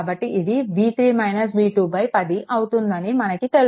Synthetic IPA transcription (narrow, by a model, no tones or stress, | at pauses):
bɐʈːiːd̪iʋiːt̪ɾiːmɐjnɐs̬ʋiːʈuːbɐjpɐd̪iʔɐwut̪und̪ɐnimɐnɐkit̪e̞l